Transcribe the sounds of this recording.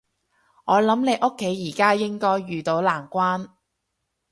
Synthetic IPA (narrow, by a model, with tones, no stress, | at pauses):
ŋɔː˨˧lɐ˨˥mne˨˧jʔʊ˥kʰːe˨˥jːiː˨˩kaː˥jɪ˥ŋkɔː˥jːyː˨t̪o˨˥wlaː˨˩ŋkʷaː˥n